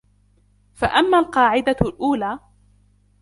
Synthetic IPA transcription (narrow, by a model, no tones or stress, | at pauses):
faʔamːaːlqɑːʕɪd̪alʔuːlaː